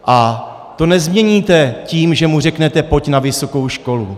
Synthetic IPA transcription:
ʔa | t̪o̞nɛzmɲɛɲiːt̪ɛciːmʒɛmur̝ɛknɛt̪ɛpo̞cnavɪso̞ko̞wʃko̞lu

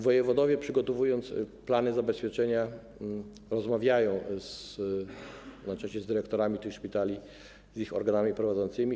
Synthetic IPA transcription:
vɔjɛvɔd̪ɔvʲjɛpʂɘɡɔt̪ɔvujɔnt̪splanɘzabɛspʲjɛt͡ʂɛɲa | ɾɔzmavʲjajɔ̃w̃s | nat͡ʂaɕɛzd̪ɘɾɛkt̪ɔɾamʲit̪ɘxʂpʲit̪alʲi | zixɔ̰ɾɡanamʲipɾɔvad̪zɔnt̪sɘmʲi

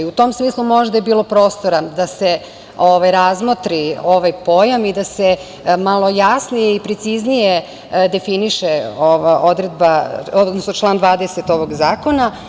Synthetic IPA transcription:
ut̪o̞msmiːslˠumo̞ʒd̪ajebiːlˠo̞pɾo̞ːst̪oɾad̪ase̞ | oʋajɾazmot̪ɾioʋajpo̞jamid̪ase | malˠo̞jasnijeipɾet̪siznije | d̪e̞finiʃeoʋaʔod̪ɾed̪̚baod̪nosnot͡ʃlˠaːnd̪ʋaːd̪eset̪o̞ʋo̞ɡzaːko̞na

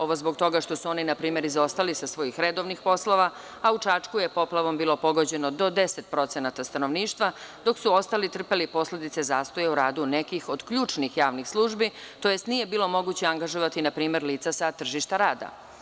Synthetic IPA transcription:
o̞ʋo̞zbo̞ɡt̪o̞ɡaʃt̪o̞suo̞ninapɾiːme̞ɾizo̞st̪alixsasʋo̞jixɾed̪o̞ʋnixpo̞slo̞ʋa | aut͡ʃat͡ʂkujepo̞plˠaʋo̞mbiːlo̞po̞ɡo̞d͡ʑe̞nod̪o̞d̪e̞set̪pɾo̞t̪se̞nat̪ast̪ano̞ʋniːʃt̪vʋad̪o̞ksuo̞st̪alit̪r̩pelipo̞sle̞d̪it̪se̞zaːst̪o̞jeuɾaːd̪unekixo̞d̪kʎuːt͡ʂnixjaːʋnixslˠuːʒbi | t̪o̞je̞st̪nije̞biːlo̞mo̞ɡut͡ɕeaŋɡaʒoʋat̪inapɾiːme̞ɾliːt̪sasat̪r̩ʒiʃt̪aɾaːd̪a̰

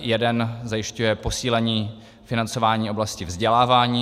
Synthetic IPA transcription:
jɛdɛnzajɪʃcujɛpo̞siːlɛɲiː | fɪnant͡so̞vaːɲiːo̞blascɪvzɟɛlaːvaːɲiː

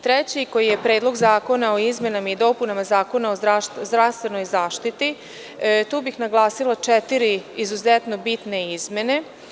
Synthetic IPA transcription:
t̪ɾet͡ɕiko̞jije̞pɾe̞ːd̪lˠo̞ɡzaːko̞nao̞izme̞namaid̪o̞punamazaːko̞naozd̪ɾaʃt̪zd̪ɾaʋst̪ʋe̞no̞jzaːʃt̪it̪i | t̪uːbixnaɡlˠaːsilˠat͡ʃɛt̪iɾiizuzet̪no̞bit̪ne̞izme̞ne̞

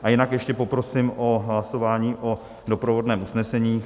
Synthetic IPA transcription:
ʔajɪnakjɛʃcɛpo̞pɾo̞sɪmʔo̞ɦlaso̞vaːɲiːʔo̞ | do̞pɾovo̞dnɛːmusnɛsɛɲiː

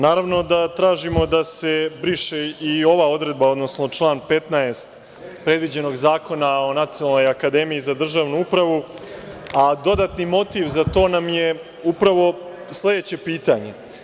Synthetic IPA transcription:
naːɾaʋno̞d̪at̪ɾaːʒimo̞d̪ase̞bɾiʃeio̞ʋao̞d̪ɾe̞d̪̚bao̞d̪no̞sno̞t͡ʂlˠaːnpe̞t̪naest̪ | pɾe̞d̪ʋid͡ʑe̞no̞ɡzaːko̞nao̞nat̪sijonalno̞jakad̪e̞mijizad̪r̩ʒaːʋnuupɾaʋu | ad̪o̞d̪at̪nimo̞t̪iʋzat̪o̞ːnamje̞ | upɾaʋo̞ | slˠe̞d̪et͡ɕe̞piːt̪aɲe̞

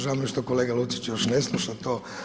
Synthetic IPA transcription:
ʒaamiʃt̪okoleːɡalut̪si̥t͡ʃjoʃneslˠuʃat̪oː

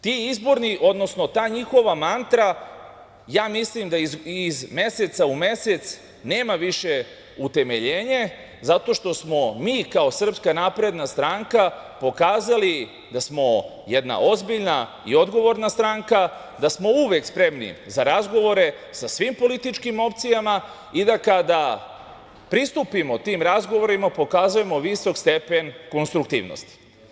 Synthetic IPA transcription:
t̪iizbo̞ɾniʔo̞d̪no̞snot̪aːɲixo̞ʋamant̪ɾa | jaːmislimd̪aiizme̞set̪saume̞set̪s | neːmaʋiʃe | ut̪e̞me̞ʎeːɲe | zat̪o̞ʃt̪o̞smo̞miːkao̞sr̩pskanapɾe̞d̪nast̪ɾaŋkapo̞kaːzali | d̪asmo̞ | jed̪na̰ʔo̞zbiʎna | ḭo̞d̪ɡo̞ʋo̞ɾnast̪ɾaŋka | d̪asmo̞uʋekspɾe̞mnḭzaɾazɡo̞ʋo̞ɾe̞ | sasʋiːmpo̞lit̪it͡ʃkimo̞pt̪sijama | id̪akad̪a | pɾist̪upimo̞t̪iːmɾazɡo̞ʋoɾimapo̞kaːzuje̞mo̞ʋiso̞kst̪e̞pe̞nko̞nst̪ɾuk̚t̪ḭːʋno̰st̪i̥

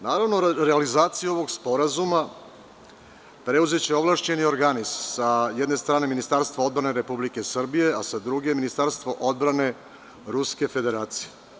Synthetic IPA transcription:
naːɾaʋno̞ɾealizaːt̪sijuo̞ʋo̞ɡspo̞ɾazuma | pɾe̞uze̞t͡ɕe̞o̞ʋlˠaʃt͡ɕe̞nio̞ɾɡanizsajed̪nest̪ɾaːne̞minist̪aɾst̪ʋao̞d̪̚bɾaneɾe̞publike̞sr̩bije̞asad̪ɾuɡe̞minist̪aɾst̪ʋoʔo̞d̪̚bɾane̞ | ɾuske̞fe̞d̪e̞ɾaːt̪sije̞

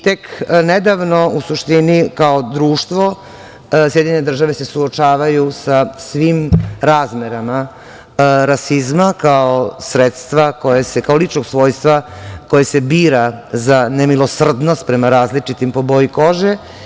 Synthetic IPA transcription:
t̪ekned̪aʋno̞usuʃt̪inikaod̪ɾuːʃt̪ʋo̞ | sjed̪iɲened̪r̩ʒaʋe̞se̞suot͡ʃaːʋajusasʋimɾaːzmeɾama | ɾasizmakaosɾet̪st̪ʋakojesekaolit͡ʃnoɡsʋo̞ːjst̪ʋakojese̞biːɾazanemilo̞sr̩d̪nost̪̚pɾemaɾaːzlit͡ʃit̪impo̞bojiko̞ʒe

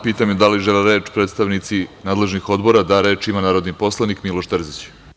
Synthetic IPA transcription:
piːt̪amjed̪aliʒeleɾe̞ːt͡ʃpɾet̪st̪aʋnit̪sinaːd̪le̞ʒnixo̞d̪bo̞ɾad̪aɾe̞ːt͡ʃimanaːɾo̞d̪nipo̞slˠanikmilˠoʃt̪r̩zit͡ɕ

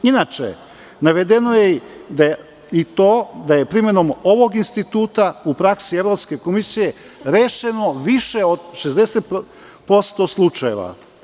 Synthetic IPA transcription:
inat͡ʃḛ | naʋe̞d̪e̞no̞jed̪a | it̪oːd̪aje̞pɾime̞no̞mo̞ʋo̞ɡinst̪it̪uːt̪aupɾaksieʋɾo̞pske̞ko̞misije | ɾeːʃe̞no̞ʋiʃeod̪ʃe̞zd̪eset̪ | po̞st̪o̞slˠut͡ʃaje̞ʋa̰

